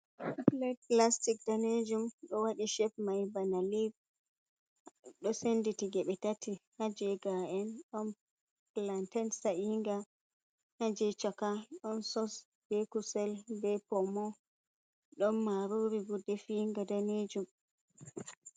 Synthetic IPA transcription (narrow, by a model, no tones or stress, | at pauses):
plɛtplastik̚d̥aned͡ʒumɗɔwaɗiʃɛfmajbanalib̚ | ɗɔsenditiɡɛɓɛtatihad͡ʒɛɡaʔɛnɗɔn | plantɛnsaʔiŋɡa | had͡ʒɛt͡ʃɔkaɗɔnsɔs | b̥ɛkusɛlbɛpɔmɔ | ɗɔnːaɾuɾivudefiŋɡadaned͡ʒum